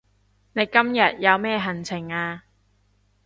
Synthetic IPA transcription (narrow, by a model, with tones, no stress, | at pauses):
ne˨˧jkɐ˥mjɐ˨t̚jɐ˨˧wmɛː˥ɦɐ˨˩nt͡sʰɪ˨˩ŋaː˧